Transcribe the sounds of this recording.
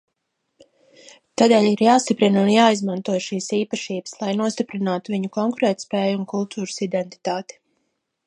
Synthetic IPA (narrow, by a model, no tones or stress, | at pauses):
t̪aːd̪eːʎiɾjaːst̪ipɾinunjaːizmãnt̪uɔjʃiːsiːpaʃiːbəslˠajnuɔst̪ipɾinaːt̪uviɲukɔŋkuɾɛːt̪spɛːjunkulˠt̪ʰuːɾəsid̪ɛnt̪i̥t̪aːt̪i̥